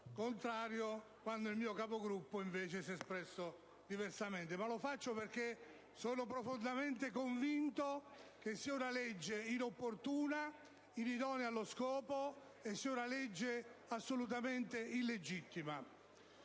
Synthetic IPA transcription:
kont̪ɾaːɾjo | kwand̪oilmiːokapoɡɾupːoiɱveːt͡ʃesiɛspɾɛsːo | d̪ivɛrsament̪emalofat͡ʃːoperke | soːnopɾofond̪ament̪ekoɱvint̪ok̟esːiːaunalɛd͡ʒːeinopːort̪uːna | inid̪ɔːnjalːoskɔːpo | esːiːaunalɛd͡ʒːeasːolut̪̬ament̪eilːed͡ʒit̪ːima

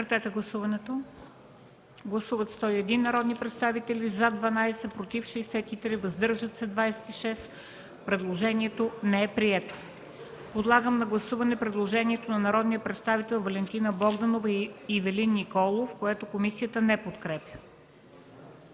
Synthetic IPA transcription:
əɾt̪sɛt̪ɛɡlˠɐsuvɐnɛt̪o | ɡlˠɐsuvət̪st̪ɔiɛd̪inːɐɾɔd̪nipɾɛt̪st̪avit̪ɛlizad̪vɐnajsɛpɾot̪ifʃɛjsɛt̪it̪ɾivɐzd̪ɤɾʒət̪sɛd̪vajsɛ̥t̪iʃɛs | pɾɛd̪lˠoʒɛniɛt̪onɛɛpɾiɛt̪o̥ | pod̪lˠaɡəmnɐɡlˠɐsuvɐnɛpɾɛd̪lˠoʒɛniɛt̪onɐnɐɾɔd̪nijəpɾɛt̪st̪avit̪ɛlˠvɐlɛnt̪inəbɔɡd̪ɐnovəivɛlinːikɔlˠofkoɛt̪okomisijət̪ənɛpot̪kɾɛpjə

